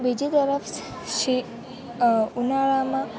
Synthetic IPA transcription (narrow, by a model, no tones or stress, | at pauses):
bid͡ʒit̪əɾəfʰs | ʃi | unaɭamã